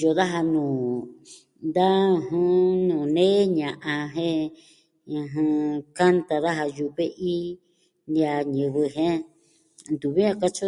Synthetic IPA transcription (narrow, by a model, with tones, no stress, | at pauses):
jo˧ða˦ɦa˧nũː˨ | nd̪a˦˧ɦũ˦˧nũː˨nẽː˦ɲã˨ʔã˧ɦẽ˦ | ɨ̃˧ɦɨ̃˧ka˦nt̪a˧ða˦ɦa˧ju˧βe˦ʔi˦ | nd̪ja˧ɲɨ̃˨βɨ˧ɦẽ˦ | nd̪u˨βi˦ã˦˧ka˦t͡ʃo˦